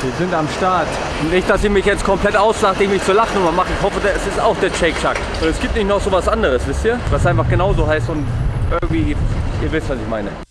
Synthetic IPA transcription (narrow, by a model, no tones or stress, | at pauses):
viːɐzɪntamʃtaɐt | ʊnnɪçtd̥asɪçmɪçjɛt͡stkʰɔmplɛtaʊsz̥aχtəɪçmɪçt͡sulaχn̩ʊmamaχəɪçhɔfədsɪstaʊxd̥eːɐʃɛɪkʃʰak | vaɪlɛsɡ̥iːp̚tnɪçtnɔχz̥oːvasʔandəʁ̞əsv̥ɪstiːɐvasʔaɪnfaχɡ̥ənaʊzoːɦaɪstʊntʔɪɐɡŋ̩tv̥iːʔiːɐvɪstv̥asɪçmaɪnə̰